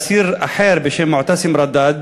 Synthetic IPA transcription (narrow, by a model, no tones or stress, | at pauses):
siːɾʔaħeːɾbɪʃeːnmʊʕt̪asɪmɾˤɑd̪ːaːd̪̚